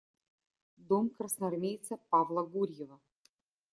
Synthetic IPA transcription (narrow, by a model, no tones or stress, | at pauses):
d̪omkrɐsnɐɐrmʲejt̪sɐpavlˠɐɡurʲjevɐ